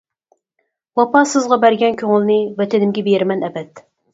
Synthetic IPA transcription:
wɑpɑsɨzʁɑbæɾɡʲɛnkʲʰøŋɪlˠnɨvɛt̪ʰɪnɪmɡʲɛbeɾɪmɛnɛbɛt̪

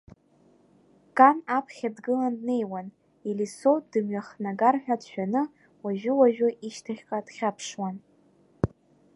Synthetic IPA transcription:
kʼanapʰχʲadɡɨlandne̞jwan | ilisod̥ɨmɥaχnaɡarħᶣadʃᶣanɨ | waʒᶣʊwaʒᶣʊʔiʃtʰaχʲqʼad̥χʲapʰʂwan

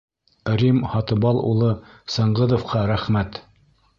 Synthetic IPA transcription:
ɾimhɑt̪ɤ̆bɑlˠṵlˠɤ | sɤɴʁɤðŏfqɑɾæχmæt̪

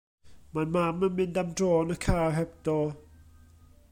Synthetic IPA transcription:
manmamanmind̪amʈ͡ʂɔnakʰaɦɛp̚t̪ɔ

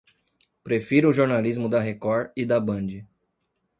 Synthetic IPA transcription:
pɾefiɾʊʒoɾnalizmʊd̪ɐɦekɔɾid̪ɐbɐ̃d͡ʒɪ

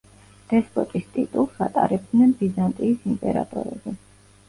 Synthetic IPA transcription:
d̪̥ɛspʼɔt̪ʼist̪ʼḭt̪ʼulˠsat̪ʼaɾɛbd̪nɛnbizant̪ʼiːsimpʼɛɾa̰t̪ʼɔɾɛ̰bi

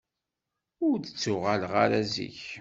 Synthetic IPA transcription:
ʊɾə̥t͡sːʊʁalʁa̰ɾæzḭç

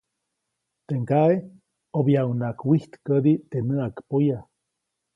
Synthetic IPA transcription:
t̪eŋkae | objawnakwiht̪kəd̪it̪enəakpoja

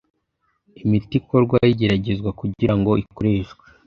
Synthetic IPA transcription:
imitikoɾɡwajiɟe̞ɾaɟe̞zɡwakuɟiɾaŋɡo̞iko̞ɾe̞ːʃɡwe

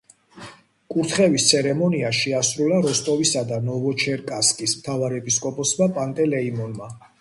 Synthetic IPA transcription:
kʼuɾt̪ʰχɛvist̪sʰɛɾɛmɔniaʃɛasɾulaɾɔst̪ʼɔvisad̪anɔvɔt͡ʃʰɛɾkʼaskʼismt̪ʰavaɾɛpʼiskʼɔpʼɔsmapʼant̪ʼɛlɛimɔnma

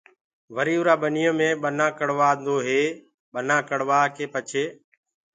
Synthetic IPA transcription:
ʋəɾiːʊɾaːɓənɪjõːmẽːɓənãːkəɽʋaːnd̪oːɦeː | ɓənãːkəɽʋaːkeːpət͡ʃʰeː

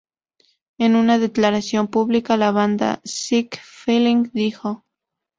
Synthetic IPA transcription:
enunaðe̞klaɾasjo̞mpuβlikalaβand̪a̰sikfiliŋd̪ixo

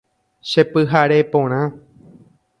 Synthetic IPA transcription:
ʃepɨɦaɾepõɾ̃ã

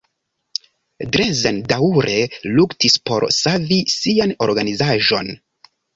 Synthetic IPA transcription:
dɾezendauɾʔeluktispo̞̰ɾsavisiano̞ɾɡanizaʒo̞n

